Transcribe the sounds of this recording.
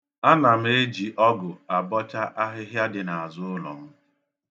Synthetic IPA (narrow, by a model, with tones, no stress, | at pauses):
a˦na˨m̩˦e˦d͡ʒi˨ʔɔ˦ɡʊ˨a˨bɔ˦t͡ʃa˦ʔa˦ɦɪ˦ɦja˦dɪ˨na˨a˨zʊ˦ʊ˦lɔ̰˨m̩˦